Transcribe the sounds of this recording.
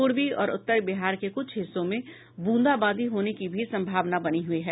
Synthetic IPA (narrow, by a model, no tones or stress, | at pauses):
uːɾbiɔ̰ːɾʊ̰t̪ːəɾbɪɦaːɾkekʊt͡ʃʰɦɪsːõmẽ | bũːnd̪abãːd̪ʱiɦoːnekibʱisɐ̃mbʱaːʋnabɐniɦʊiɦɛː